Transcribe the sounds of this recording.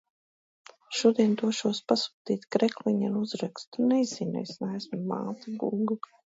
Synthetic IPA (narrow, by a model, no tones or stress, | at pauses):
ʃuɔd̪iɛnd̪uɔʃuɔspasu̥ːt̪iːt̪kɾɛklˠiɲɛnuzɾɛkst̪unɛzinɛ̰jsnɛːsmma̰ːt̪aɡuɡu